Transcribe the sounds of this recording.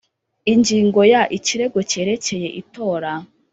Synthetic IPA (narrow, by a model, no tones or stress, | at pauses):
iɲɟiːŋɡo̞jaʔiciɾe̞ɡo̞ce̞ːɾe̞ce̞je̞ʔito̞ːɾa